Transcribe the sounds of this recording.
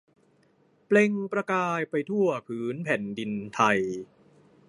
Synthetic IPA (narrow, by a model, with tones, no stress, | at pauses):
ple˧ŋpɾa˧kaː˧jpa˧jt̪ʰu˥˩ɐpʰɯː˦˥npʰɛ˨˩ndi˧nt̪ʰa˧j